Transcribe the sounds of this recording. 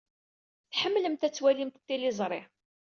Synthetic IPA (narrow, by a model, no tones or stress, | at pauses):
θħəmːləmt̪æt͡sːwælimt̪ət̪ːilɪzˤɾˤɪʕ